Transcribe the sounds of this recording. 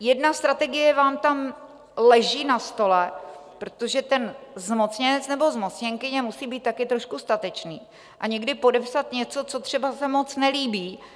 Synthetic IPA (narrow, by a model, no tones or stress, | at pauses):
jɛdnast̪ɾat̪ɛɡɪjɛvaːmt̪am | lɛʒiːnast̪o̞lɛpɾot̪oʒɛt̪ɛnzmo̞t͡sɲɛnɛt͡snɛbo̞zmo̞t͡sɲɛŋkɪɲɛmusiːbiːt̪̚t̪ːakɪt̪ɾo̞ʃkust̪at̪ɛt͡ʃniː | ʔaɲɛɡdɪpo̞dɛpsat̪ɲɛt͡so̞t͡so̞t̪r̥ɛbasɛmo̞t͡snɛliːbiː